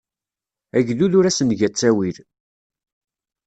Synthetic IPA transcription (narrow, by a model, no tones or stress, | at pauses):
æʝðuðʊɾæsənʝæt͡sːæwil